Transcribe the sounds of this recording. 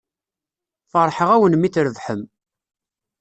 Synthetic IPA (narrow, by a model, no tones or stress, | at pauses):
fəɾˤħəʁæwənmiθɾəvħəm